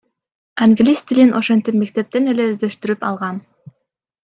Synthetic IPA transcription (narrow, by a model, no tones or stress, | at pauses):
aŋɡlʲist̪ʲilʲinʔo̞ʃe̞nt̪ipme̞k̚t̪e̞p̚t̪e̞ne̞le̞øzd̪øʃt̪yɾypɑlˠʁɑn